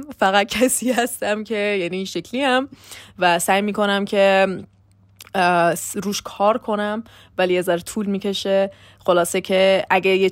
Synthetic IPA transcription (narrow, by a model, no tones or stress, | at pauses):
fæɣæd̪̚cʰæsiːhæst̪æmcʰe̞jæniːʃecʰliæmvæsæːjmiːko̞næmcʰe̞ | ɾuːʃkʰɒːɾkʰo̞næm | væliezæɾet̪ʰuːlmiːkcʰe̞ʃe | xolɒːsecʰeʔæɡeje